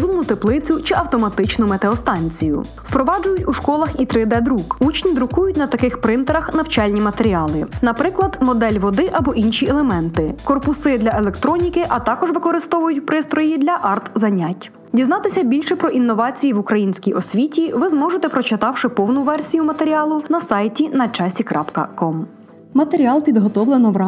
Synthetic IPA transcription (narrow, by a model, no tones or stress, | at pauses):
zumnʊt̪eplˠɪt͡sʲʊt͡ʃɪɐwt̪ɔmɐt̪ɪt͡ʃnʊmet̪eɔst̪ɑnʲt͡sʲijʊ̰ | wpɾɔʋɑd͡ʒʊjʊtʲuʃkɔlˠɐxit̪ɾɪd̪ɛd̪ɾukut͡ʃnʲid̪ɾʊkujʊtʲnɐt̪ɐkɪxpɾɪnt̪eɾɐxnɐwt͡ʃɑlʲnʲimɐt̪eɾʲiɑlˠɪnɐpɾɪklˠɐd̪mɔd̪ɛlʲʋɔd̪ɪʔɐbɔʔinʃʲiɛlˠemɛnt̪ɪkɔrpʊsɪd̪lʲɐʔelˠekt̪ɾɔnʲikɪʔɐt̪ɑkɔʒʋɪkɔɾɪst̪ɔʋʊjʊtʲpɾɪst̪ɾɔjid̪lʲɐʔɑrt̪zɐnʲatʲ | dʲiznɑt̪ɪsʲɐbʲilʲʃɛpɾɔʔinːɔʋɑt͡sʲijiʋukɾɐjinʲsʲkʲijʔɔsʲʋʲitʲiʋɪzmɔʒet̪ɛpɾɔt͡ʃɪt̪ɑwʃɪpɔwnʊʋɛrsʲijʊmɐt̪eɾʲiɑlˠʊnɐsɑjtʲinɐt͡ʃɑsʲikɾɑpkɐ̰kɔm | mɐt̪eɾʲiɑlˠpʲid̪ɦɔt̪ɔʋlˠenɔʋɾɑ